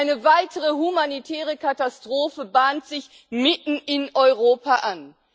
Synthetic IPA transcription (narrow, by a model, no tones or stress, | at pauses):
ɪnəvaɪtʰəʁəhumanitʰɛːʁəkatastʁ̥oːfəbaːntz̥ɪç | mɪtn̩ɪnʔɔʏʁ̞oːpaʔan